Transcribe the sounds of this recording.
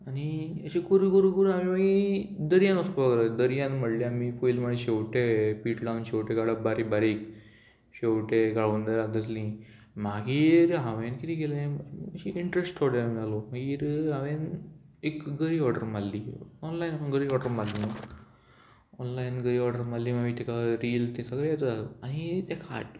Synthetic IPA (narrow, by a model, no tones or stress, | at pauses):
aniəɕikuɾikuɾukuɾuamimaɡid̪əɾijanəspaɡlad̪əɾijanmɐɽliamifoilmaɽ̃iɕewʈepiːʈɖawnɕewʈeɡaɽabaɾibaɾik | ɕewʈeɡaɭund̪aɾad̪əs̬lĩ | maɡiɾɦaʋenkit̪iɡelemmɕiʔiɳʈɾesʈɔɾɖemalomaɡiɾɦaʋenekɡəɾiɔɾɖəɾmalːiɔnlajnapənɡəɾiɔɾɖəɾmalnə | ɔnlajnɡəɾiɔɾɖəɾmalːimaɡit̪ʰikaɾiːlt̪esəɡɾeat̪uaanit̪jakʰa̰ʈ